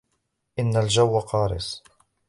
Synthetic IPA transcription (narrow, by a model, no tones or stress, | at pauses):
ʔɪnːald͡ʒawːaqɑːɾɪ̰sˤ